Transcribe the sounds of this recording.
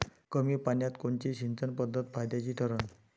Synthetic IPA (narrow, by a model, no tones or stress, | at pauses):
kəmiːpanjat̪koɳt͡ɕiɕint͡sənpəd̪ʱːət̪̚fʰajd̪jat͡ɕiːt̪ʰəɾən